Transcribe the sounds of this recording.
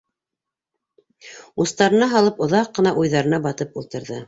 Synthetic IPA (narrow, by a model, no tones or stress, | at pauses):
ust̪ɑɾɤ̆nɑɦɑlˠɤpŏðɑqːɤ̆nɑʔujðɑɾɤ̆nɑbɑt̪ɤpulˠt̪ɤ̆ɾðɤ